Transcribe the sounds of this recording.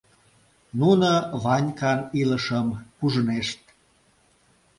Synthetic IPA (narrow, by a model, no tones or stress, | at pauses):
nunəβɑnʲkɑniləʃəmkuʒəneʃt̪̚